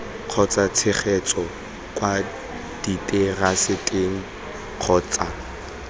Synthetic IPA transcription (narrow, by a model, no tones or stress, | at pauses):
q͡χʰɔt͡sʼat͡sʰɪχʰɛt͡sʼɔ | kʼwa | d̥itʼerasɪtʼeŋ̩ | q͡χʰɔːt͡sʼa